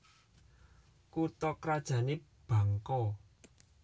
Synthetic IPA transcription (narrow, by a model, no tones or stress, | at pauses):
kut̪ɔkɾad̥ʒ̥ä̤neb̥a̤ŋkɔ